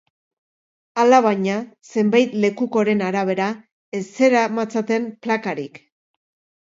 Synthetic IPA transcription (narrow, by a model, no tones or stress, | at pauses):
alaβaɲase̞mbajt̪le̞kuko̞ɾe̞naɾaβ̞e̞ɾa | e̞se̞ɾamat͡sat̪e̞mplakaɾik